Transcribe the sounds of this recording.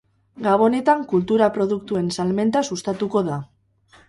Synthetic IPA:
ɡaβ̞o̞ne̞t̪aŋkult̪uɾapɾo̞ðukt̪ue̞nsalme̞nt̪asust̪at̪uko̞ð̞a

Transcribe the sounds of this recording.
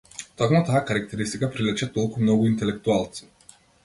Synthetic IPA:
t̪ɔkmut̪aːkaɾak̚t̪ɛɾist̪ikapɾilʲɛt͡ʃɛt̪ɔlˠkumnɔɡʊint̪ɛlɛk̚t̪ualˠt̪si̥

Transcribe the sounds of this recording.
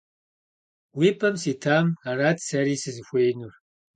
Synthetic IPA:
wiːpʰɐmsiːtʰaːmaraːtʰsɐɾiːsɨzɨxʷejnur

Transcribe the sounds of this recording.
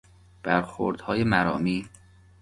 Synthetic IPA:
b̥æɾxo̰ɾd̪̥hɒːjemæɾɒ̰ːmiː

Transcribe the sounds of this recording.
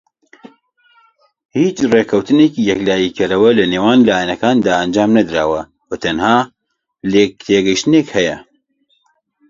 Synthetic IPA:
hiːt͡ʃreːkʰɐwt̪ɨneːkijɛklaːjikʰɐɾɐwɐlɐneːwaːnlaːjɛnɐkaːnd̪aːʔɐnd͡ʒaːmnɐd̪ɾaːwɐ | wɐt̪ʰɐnhaː | lek̚t̪ʰeːɡɐjʃt̪ɨneːkhɛjɛ

